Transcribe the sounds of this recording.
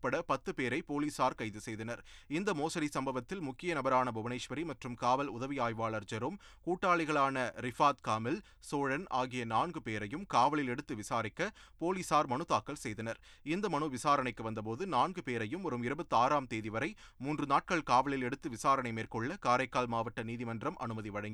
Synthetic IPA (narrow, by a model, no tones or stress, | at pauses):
pːɐɽɐpɐt̪ːɯpeːɾɐɪpoːliːsaːɾkɐɪðɯsɛjðɐnɐɾɪnd̪ɐmoːsɐɽisɐmbɐʋɐt̪ːɪlmʊkːɪjɐnɐbɐɾaːnɐbʊʋɐnɐɪʂʋɐɾimɐʈrɯmkaːʋɐlʊðɐʋɪjaːjʋaːɭɐɾd͡ʒɐɾɯm | kuːʈːaːɭɪɣɐɭaːnɐɾɪfaːt̪kaːmɪl | soːɻɐnaːɣɪjɐnaːnɡɯpeːɾɐjɯmkaːʋɐɭɪlɛɽɯt̪ːɯʋɪsaːɾɪkːɐpoːliːsaːɾmɐɳɯt̪aːkːɐlsɛjðɐnɐɾ | ɪnd̪ɐmɐɳuʋɪsaːɾɐɳɐɪkːɯʋɐnd̪ɐpoːðɯnaːnɡɯpeːɾɐjɯmɔɾɯmɪɾɯbɐt̪ːɯaːɾaːmt̪eːðɪʋɐɾɐɪmuːndrɯnaːʈ̚kɐɭkaːʋɐɭɪlɛɽɯt̪ːɯʋɪsaːɾɐɳɐɪmeːrkɔɭːɐkaːɾɐɪkːaːlmaːʋɐʈːɐniːðɪmɐndrɐmʔɐ̰nɯmɐðiʋɐɽɐŋɡi